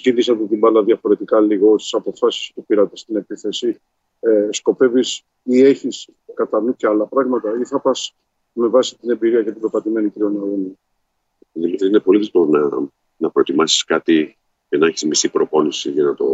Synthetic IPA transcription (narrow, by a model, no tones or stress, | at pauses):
cilisɐt̪et̪ibɐlɐðʝɐfo̞ɾe̞t̪ikɐliɣo̞st̪i̥sɐpo̞fɐsi̥spupiɾɐt̪e̞st̪ine̞piθe̞si | sko̞pe̞vis | ie̞çis | kɐt̪ɐnuceɐlɐpɾɐɣmɐt̪ɐiθɐpɐs | me̞vɐsit̪ine̞mbiɾiɐcet̪ibɾopɐt̪ime̞niciɾio̞nooni | ilɐðiinepo̞lilit̪onɐ | nɐpɾo̞t̪imɐsi̥skɐt̪i | cenɐeçizmisipɾo̞po̞nisiʝɐnɐt̪o̞